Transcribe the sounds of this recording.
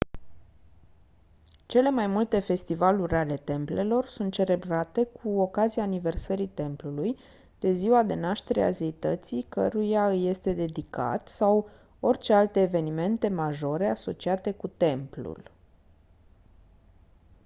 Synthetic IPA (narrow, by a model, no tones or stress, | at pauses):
t͡ʃe̞le̞majmult̪e̞fe̞st̪ivaluɾʲale̞t̪e̞mple̞lo̞rsunt̪̚t͡ʃe̞ɾe̞bɾat̪e̞kʰuo̞kazijaːnive̞rsəɾit̪e̞mpluluj | d̪̥e̞ziwad̪e̞naʃt̪e̞ɾḛa̰ze̞it̪ət̪sikəɾujaɨje̞st̪e̞d̪e̞d̪ika̰t̪saw | o̞rʲt͡ʃe̞alt̪e̞ːve̞nime̞nt̪e̞maʒo̞ɾe̞aso̞t͡ʃiat̪e̞kut̪e̞mplṵl